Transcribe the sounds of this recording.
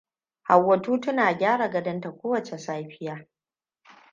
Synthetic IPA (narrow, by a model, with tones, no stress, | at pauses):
ha˨wːɐ˨tuː˦tʊ˦naː˨ɡʲaː˦ɽa˨ɡɐ˦dɐ˦nta˨kʷoː˦wɐ˨t͡ʃe˨saː˦ɸɪ˦jaː˦